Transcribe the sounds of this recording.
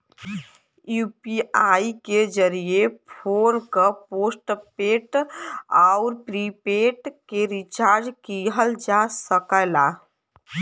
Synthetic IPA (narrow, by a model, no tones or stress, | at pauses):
jupiaiked͡ʒəɾijepʰoɾkəposʈpeʈ | aʊɾpɾipeʈkeɾit͡ʃaɾd͡ʒkiɦəld͡ʒasəkəla